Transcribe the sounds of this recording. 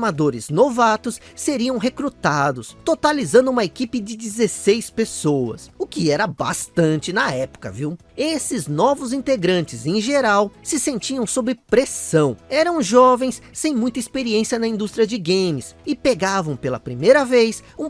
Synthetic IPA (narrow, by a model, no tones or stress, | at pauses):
mad̪oɾɪznovat̪ʊsːeɾiɐ̃w̃ɦekɾut̪ad̪ʊst̪ot̪alizɐ̃nd̪ʊũmɐekipɪd͡ʒɪd͡ʒɪzesejspesoɐ̰sʊkɪɛɾɐba̰st̪ɐ̃nt͡ʃɪnɐɛpʊ̥kɐ̰viw | esɪznɔvʊzĩnt̪eɡɾɐ̃nt͡ʃɪzẽʒeɾawsɪsẽnt͡ʃiɐ̃w̃sobɾɪpɾesɐ̃w̃ɛɾɐ̃w̃ʒɔvẽj̃sːẽj̃mũj̃t̪ɐispeɾiẽsiɐnɐĩd̪ust̪ɾiɐd͡ʒɪɡẽmɪsɪpeɡavɐ̃w̃pelɐ̰pɾimejɾɐvejsũ